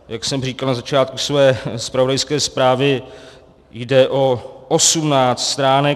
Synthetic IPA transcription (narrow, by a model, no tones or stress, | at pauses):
jaksɛmriːkalnazat͡ʃaːt̪̚kusvɛːspɾavodajskɛːspɾaːvɪ | jdɛʔoʔosumnaːt͡st̪st̪ɾaːnɛ